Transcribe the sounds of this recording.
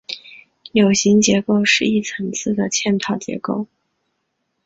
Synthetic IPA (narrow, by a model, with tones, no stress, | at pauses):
jo˨˩ʊɕi˧˥ŋt͡ɕjɛ˧˥ko˥˧ʊʂɻ̩˥˧i˥˩t͡sʰɤ˧˥ŋt͡sʰɹ̩˥˩d̪ə˩t͡ɕʰjɛ˥˩nt̪ʰɑ˨˩ʊt͡ɕjɛ̰˧˥ko˥˩ʊ